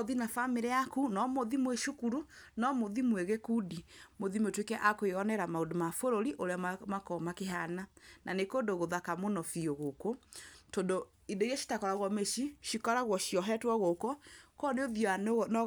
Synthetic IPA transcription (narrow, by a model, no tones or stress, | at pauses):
ðinafameɾɛakunɔmoðimweʃukuɾunɔmoðimweɣekudimoðimotwekɛʔakoeɔnɛɾamaodomafoɾoɾiʔoɾeamakɔmakeɦananʔanekondoɣoðakamonɔfioɣokotondo | indoiɾaʃi̥takɔɾaɣwɔmeʃiʃikɔɾaɣwɔʃiɔɦɛtwɔɣokɔkɔneoðjɔann